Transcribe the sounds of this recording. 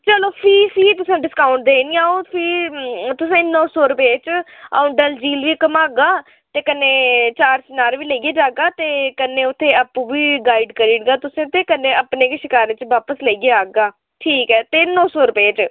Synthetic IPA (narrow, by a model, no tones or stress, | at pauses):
t͡ʃəloːpʰiːpʰiːt̪ʊsẽːɖɪskaːʊɳʈ̚d̪eːniːaːõːpʰiːt̪ʊsẽːnɔːsɔːɾʊpeːt͡ʃ | a̰ːʊ̃ɳɖəld͡ʒiːlʋiːkəmaːɡaː | t̪eːkənːeːt͡ʃaːɾsnaːɾʋiːləiːɡeːd͡ʒaːɡaːt̪eːkənːeːʊt̪ʰːeːəpːũːʋiːɡaːiɖkəɾiːɽɡaːt̪ʊsẽːt̪eːkənːẽːəpneːkʃɪkaːɾẽːt͡ʃʋaːpəsləiːɡeːaːɡaː | ʈʰiːkɛːt̪eːnɔ̃ːsɔːɾʊpeːt͡ʃ